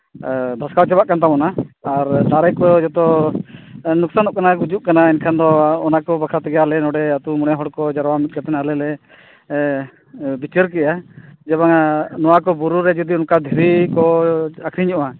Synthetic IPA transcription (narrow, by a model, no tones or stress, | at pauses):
d̪ʱɔskawt͡ʃɛbaʔkant̪̬amɔnaːɾd̪aɾɛkɔd͡ʒɔt̪ɔ | nuk̚sanɔʔkanaɡud͡ʒuʔkanainkʰand̪ɔːnakɔbakʰɾat̪ɛɡalɛnɔɽɛat̪umɔɽɛɦɔɽkɔd͡ʒaɾwamit̪̚ˀkat̪ɛnalɛlɛ | bit͡ʃəɾkɛʔad͡ʒɛβaŋanɔwakɔbuɾuɾɛd͡ʒɔd̪iɔnkad̪ʱiɾikɔakʰɾiɲɔʔa